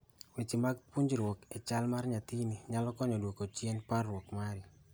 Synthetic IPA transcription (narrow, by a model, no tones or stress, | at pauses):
wit͡ʃimaɡ̚puɲd͡ʒɾwoket͡ʃalmarɲat̪iniɲalɔkɔɲɔdwokot͡ʃjenparwokmaɾɪ